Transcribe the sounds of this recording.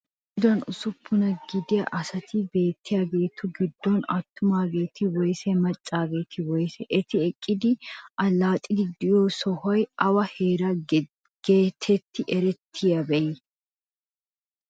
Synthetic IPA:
ɡɪd̪ɔnʊsʊpʰːʊnɐɡɪd̪ɪjɐ̰ʔɐsɐt̪ɪbe̞ːt̪ʰːɪjabe̞ːt̪ʰːʊɡɪd̪ːɔnɐt̪ːʊmaːbe̞ːt̪ɪwɔjsɛmɐt͡ʃʼːaːbeːt̪ʰɪwɔjsɛʔɛt̪ɪɛkʼːɪd̪ɪʔɐlːaːt̪ʼːɪɡɪd̪ːɪjoːsɔhɔjʔɐwɐheːɾa | ɡ̥eːt̪ʰɛt̪ːɪʔɛɾɛt̪ʰːɪjɐbɛjɪ

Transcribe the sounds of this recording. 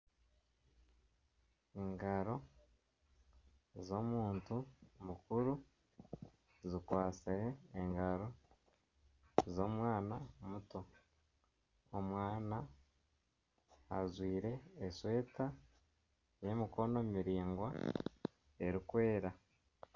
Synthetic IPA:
eŋɡaɾo̞ | zo̞ːmuːntumukuɾu | zikwaːsiɾeːŋɡaɾo̞ | zo̞ːmwaːnamuto̞ | omwaːna | zwiːɾe̞ːswe̞ːta | je̞miko̞no̞miɾiːŋɡwa | e̞ɾikwe̞ːɾa

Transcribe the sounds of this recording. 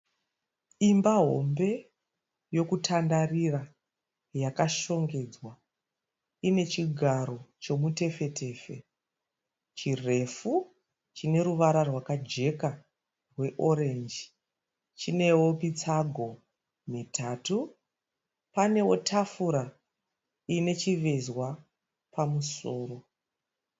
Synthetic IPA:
imbaɦo̞̰mbe̞ | jo̞kutʰandarira | jakaʃo̞ŋɡe̞ːd͡zwa | ine̞t͡ʃiɡʱaɾo̞t͡ʃo̞mute̞fe̞te̞ːfe̞ | t͡ʃire̞fu | t͡ʃine̞ruʋaɾarwakad͡ʒe̞ka | rwe̞ʔo̞ɾe̞nd͡ʒ | t͡ʃine̞wopit͡saɡʱo̞ | mitʰaːtu | pane̞wo̞̰tʰafuɾa | ine̞t͡ʃiʋe̞zwa | pamuso̞ːro̞

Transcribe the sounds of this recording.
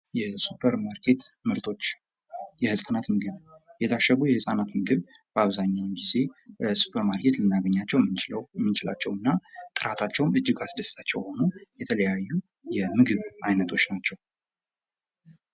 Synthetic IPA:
jɛsupʰəɾmaɾkʰe̞t̪mɨɾt̪ʰo̞t͡ʃː | jɛhɨsʼfənat̪mɨɡɨβ | jɛt̪ʰaʃːəɡujɛhɨsʼanat̪mɨɡɨβ | bəaβzaɲːawmɡize̞su̥pʰəɾmaɾkʰe̞t̪lɨnːaɡəɲːat͡ʃːɛwt͡ʃlwɛmːit͡ʃɪla̰t͡ʃːɛwɨnːat̪ʼɨɾat̪ʰat͡ʃːɛwmɨd͡ʒːɪɡasɨd̪əsat͡ʃːɛ̰who̞nujɛt̪ʰələjajːu | jɛmɨɡɨβʔajnət̪ʰo̞t͡ʃːnat͡ʃːɛw

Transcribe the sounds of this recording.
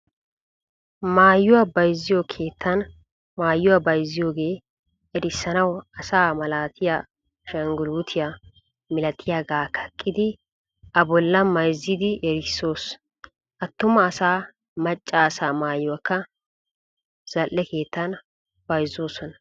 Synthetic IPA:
maːjːʊwɐbɐjzːɪjokʰe̞ːt̪ʰːɐn | maːjːʊwɐbɐjzːɪjo̞ːɡe̞ː | ɛɾɪsːɐnɐwɐsaːmɐlaːt̪ʰɪja | ʃɐŋɡʊluːt̪ʰɪja | mɪlɐt̪ʰɪjaɡaːkʰɐ̥kʼːɪd̪ɪ | ʔɐbɔlːɐmɐjzɪd̪ɪʔɛɾɪsːo̞ːs | ʔɐt̪ːʊmɐːsaː | mɐt͡ʃʼːaːsaːmaːjːʊwɐkːɐ | z̥ɐlːɛke̞ːt̪ːɐn | b̥ɐjzoːsɔnɐ

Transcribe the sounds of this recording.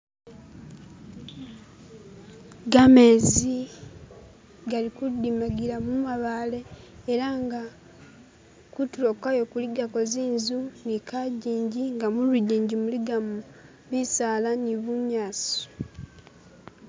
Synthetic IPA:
ɡame̞zi | ɡalikudːimaɡiɾamumaβale̞ːɾaŋɡa | kutuɾo̞kajo̞kuliɡako̞ziːnzunikaɟiːɲɟiŋɡamuluɟiːɲɟimuliɡamu | βisaːlaniβuɲaːso̥

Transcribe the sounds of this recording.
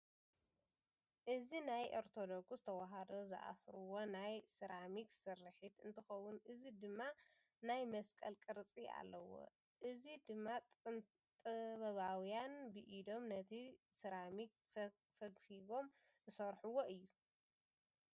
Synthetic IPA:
ʔɨzinajʔoɾt̪ʰod̪okszɨt̪ʰɐwaɦad̪o̞zɨ̰ʔa̰sɾuwo̞najsɨɾamiksɨrːɨħit̪ɨnt̪ʰɨxɐwʊnʔɨzid̪ɨmːa | najmɐskʼɐlkʼɨɾt͡sʼia̰lːɐwo̞̰ | ʔɨzid̪ɨmːa | t̪ʼɨβɐβawjanbɨʔid̪o̞mnɐt̪ʰisɨɾamik̚ | fɐɡfiɡo̞m | zɨsɐɾħuwoʔɨjːu

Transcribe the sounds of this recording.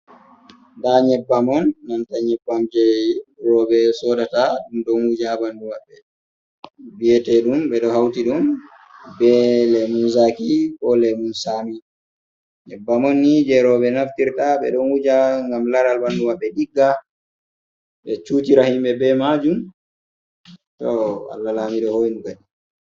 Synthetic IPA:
ndaɲɛbːamɔnːantaɲɛbːamd͡ʒɛɾɔbɛsɔɗataɗumɗɔnwud͡ʒabandumaɓːɛ | bijɛtɛɗumbɛɗɔhawtiɗum | bɛlɛmunsakikɔlɛmunsami | nɛbamonːid͡ʒɛɾɔɓɛnaftiɾtaɓɛ̰ɗɔnwud͡ʒaŋɡamlaɾalbandumaɓːɛɗiɡːa | ɓɛt͡ʃuːtiɾahimɓɛbɛmad͡ʒum | tɔa̰lːalamiɗɔhojnukaɗi

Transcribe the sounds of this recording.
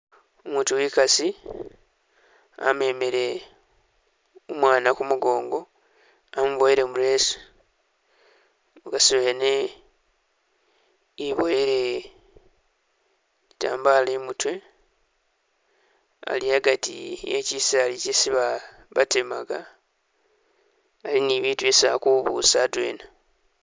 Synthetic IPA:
omuːtuwikasi | a̰me̞meɾe̞ | omwaːnakumuɡo̞ːŋɡo̞ | amuβoeɾe̞muɾeːso̥ | mukasiβene | iβoeɾe | ita̰ːmbalemutwe̞ | a̰liaɡatijecisalicesiβa | βatema̰ɡa | aliniβiːtuesa̰kuβṵsadwḛːna

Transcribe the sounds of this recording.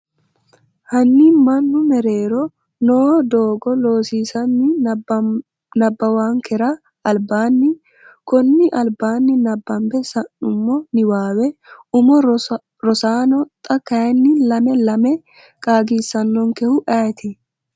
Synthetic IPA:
hɐnːiːmɐnːʊmɛɾe̞ːɾɔ | noːd̪oːɡɔlo̞ːsiːsɐnːɪ | nɐbːɐwaːŋkɛɾɐ | ɐlbaːnːɪ | kɔnːɪʔɐlbaːnːɪnɐbːɐmbɛsɐnʊmːɔnɪwaːwɛʊmɔ | ɾɔsaːnɔt̪ʼɐkːɐjɐnːɪlɐmɛlɐmɛ | kʼaːɡiːsɐnːɔŋkɛhʊʔɐt̪ɪ

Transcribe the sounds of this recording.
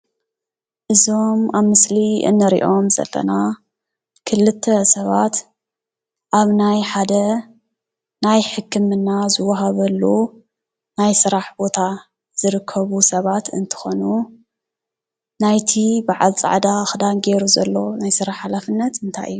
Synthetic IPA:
ʔɨzo̞maβmɨsliɨ̰nːɨɾḭʔo̞mzɐ̰lːɐ̰na | kʰɨlɨt̪ʰːɐsɐβat̪ | ʔaβnajħad̪ɐ | najħɨkʰːɨmɨnːazɨwːɐɦaβɐlːu | najsɨɾaħbo̞t̪ʰa | z̥ɨɾɨkʰːɐβusɐβat̪ʰɨ̰nt̪ʰɨ̥xonu | najt̪ʰibaʕa̰lt͡sʼa̰ʕd̪axɨd̪anɡeɾuzɐ̰lːo̞najsɨɾaħalafɨnːɐt̪ɨnt̪ʰa̰jʔɨ̰jːu

